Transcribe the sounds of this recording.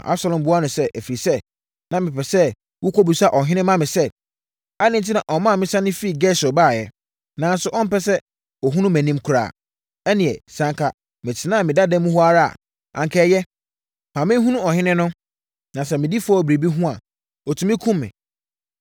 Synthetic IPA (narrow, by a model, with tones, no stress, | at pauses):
ʔa̰˦bsa˨lɔ̃˨mbʊ˦a˦nʊ̃˨sɛ˦ʔæ˨fi˨ɾi˨sɛ˦ | nã˨mɪ̃˨pɛ˨sɛ˦ | wu˦kʰo˦bu˨sa˦˨ʔɔ˨ɦɪ̃˦nɪ̃˦mã˦mɪ̃˨sɛ˦ | a˦nɪ̃˦n˨t̬ʰɪ˦nã˨ʔɔ˨mã˦˨mɪ̃˦sã˦nɪ̃˦fi˦˨ɡɛ˦sɔ˨baː˦˨jɛ˦ | nã˨n˦sʊ˨˦ʔɔ̃˦m̩˦pɛ˦sɛ˦ | ɔ˨ɦũ˦nũ˦mæ̃˨nĩ˦m˦kʰʊ˨ɾa̰ː˦˨ | ɛ˦nĩ˨ɛ˨sã˦ŋkʰa˦ | mɪ̃˨tʰɪ˨nãː˦˨mɪ̃˨da˦dɛ̃˦mũ˦hɔ˦a˦ɾa˦˨a̰˨ | ã̰˨ŋ˨kʰɛː˨˦˨jɛ˦ | mʰã˨mɪ̃˦ɦũ˦nũ˦ɔ˨ɦɪ̃˦nɪ̃˦nʊ̃˦ | nã˨sɛ˦mɪ̃˨di˦fʊ˦ɔ˦bɾe˨bi˦ɦũ˦a̰˨ | ɔ˨tʰũ˨mĩ˦kʰũ˦mːɪ̰̃˨